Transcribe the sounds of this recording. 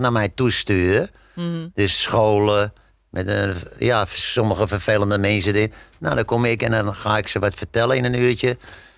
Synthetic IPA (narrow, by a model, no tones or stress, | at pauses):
namɛjtustyːrə | d̥øssxoːlˠə | mʔɛtəjasoməɣəfərfelˠəndəmɛns̬ədɪnna̰dɔkomɪkɛndɔnxaːɪksəʋɔtfərtɛləɪnənyətjə